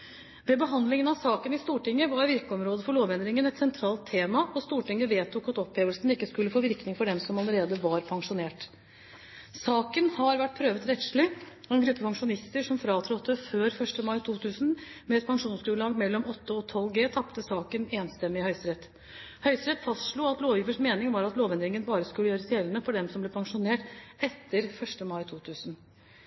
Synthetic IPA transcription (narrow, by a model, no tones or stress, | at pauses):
ʋɛbəɦɑnd̪lɪŋənɑʋsɑːkənɪst̪uːʈɪŋːəʋɑɾʋɪɾkəɔmɾoːd̪əfɔɭoːʋɛnd̪ɾɪŋənɛt̪sɛnt̪ʰɾɑːlt̪ʰːeːmɑɔst̪uːʈɪŋːəʋeːt̪ʰːʊkɑt̪ɔpheːʋəlsnɪkːəskʉlːəfoːʋɪɾknɪŋfɔɖɛmsɔmɑləɾeːd̪əʋɑɾpʰɑŋʂʊneːʈ | sɑːkənhɑɾʋæʈ̚ːpʰɾøːʋət̪ɾɛt̪ʂɭɪɔɛnɡɾʉpːəpʰɑŋʂʊnɪst̪əʂɔmfɾɑːt̪ʰɾɔt̪ːəføːɾfœʂʈəmɑɪt̪ʰuːt̪ʰʉːsnmɛɛt̪̚pʰɑŋʂuːnskʉːəlɑːɡmɛlːɔmɔt̪ːəɔt̪ʰɔlːɡeːt̪ʰɑpt̪əsɑːkəneːnst̪ɛmːɪhœʏst̪ɾɛt̪ː | hœʏst̪ɾɛt̪fɑst̪ʂɭuːɑt̪loːʋjɪʋəʂmeːnɪŋʋɑːɾɑt̪loːʋɛnd̪ɾɪŋənbɑːɾəskʉlːəjøːɾəsjɛlənəfɔɖɛmsɔmblɛpʰɑŋʂʊneːʈɛt̪ːəɾfœʂʈəmɑɪt̪ʰuːt̪ʰʉːsən